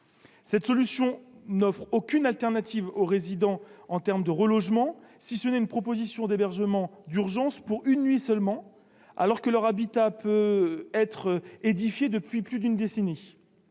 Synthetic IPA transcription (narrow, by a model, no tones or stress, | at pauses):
sɛt̪sɔlysjɔ̃nɔfχokʲynalt̪ɛʁnat̪ivoʁezid̪ɑ̃ɑ̃t̪ɛʁmd̪əʁəlɔʒmɑ̃sisənɛynpχɔpozisjɔ̃d̪ebɛʁʒəmɑ̃d̪yʁʒɑ̃spuʁynːɥisœlmɑ̃ | a̰lɔʁkəlœʁabit̪apøɛt̪χed̪ifjed̪əpɥiplyd̪ynd̪esene